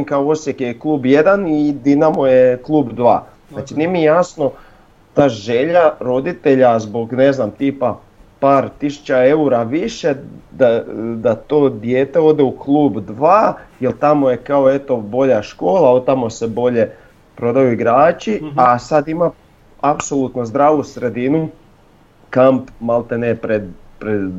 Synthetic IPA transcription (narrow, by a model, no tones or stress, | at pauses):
imkaoo̞sjekjeklˠuːbje̞d̪anid̪inamojeklˠuːbd̪ʋa̰ː | zaːt͡ʃiniemijejasno̞ | t̪aːʒeʎaɾo̞d̪it̪e̞ʎazbo̞ɡne̞znamt̪iːpa | paːɾt̪isu̥t͡ʃae̞uɾaʋiʃed̪ad̪at̪o̞ːd̪jeːt̪e̞o̞d̪euklˠuːbd̪ʋaːjelˠt̪amojekaoe̞t̪o̞bo̞ʎaʃko̞ːlˠaot̪amo̞sebo̞ʎe̞ | pɾo̞d̪ajuiɡɾaːt͡ʃiasad̪ima | apso̞lˠut̪nozd̪ɾaːʋusɾe̞d̪inu | kampmalˠt̪enepɾed̪pɾe